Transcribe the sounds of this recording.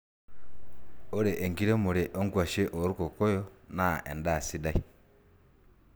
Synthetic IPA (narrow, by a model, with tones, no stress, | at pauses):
o˦ɾe˨ʔe˨ŋɡi˦ɾe˦mu˨ɾe˨ʔo˦ŋɡwa˨ʃe˦ʔo˨ɾu˦ko˨ko˦jo˦na˦ʔḛ˨nda˦˨si˦da˦i˨